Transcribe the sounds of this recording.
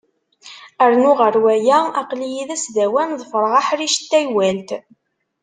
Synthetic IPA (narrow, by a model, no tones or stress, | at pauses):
əɾnʊʁəɾwæjæɑqlijiðæsðæwænðˤəfɾˤʁɑħɾiʃt̪ːæjwælt̪